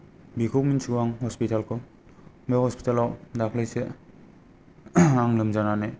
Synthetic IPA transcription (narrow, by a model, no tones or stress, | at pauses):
bikʰominsuaŋhɔspitalkʰɔ | mehɔspi̥talawdakʰlɯjse | aŋlɯmzanana